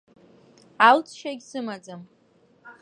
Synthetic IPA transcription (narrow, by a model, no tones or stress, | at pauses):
alt͡sʰʃaɡʲsɨmad͡zam